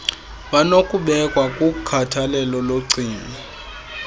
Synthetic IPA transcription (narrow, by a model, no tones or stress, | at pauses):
ɓanokʼuɓɛkʼwakʼukkʰatʰalɛlɔloǀʱiːnɛ